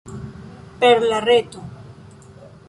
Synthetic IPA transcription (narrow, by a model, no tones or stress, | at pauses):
peɾlaret̪o